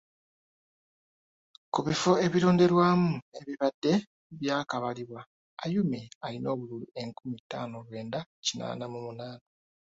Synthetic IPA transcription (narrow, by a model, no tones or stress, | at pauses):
kuβifo̞e̞βiɾo̞ːnde̞ɾwaːmue̞βiβadːe̞ | βjaːkaβaliβwa | ajumealino̞ːβululue̞ŋkumitːa̰ːnoɾwe̞ːndacina̰ːnamumunaːna